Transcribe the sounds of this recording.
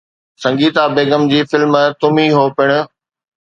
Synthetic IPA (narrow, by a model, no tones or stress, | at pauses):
sɐ̃ŋɡiːt̪abeːɡəmd͡ʑiːfɪlmət̪ʊmĩɦoːpɪɽ̃ʊ̆